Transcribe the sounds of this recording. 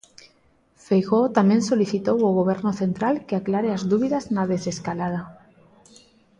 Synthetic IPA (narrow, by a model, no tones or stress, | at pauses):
fejɣot̪amensoliθit̪owoɣoβ̞eɾnoθe̞nt̪ɾalkeaklaɾeazðuβiðaznaðeseskalað̞a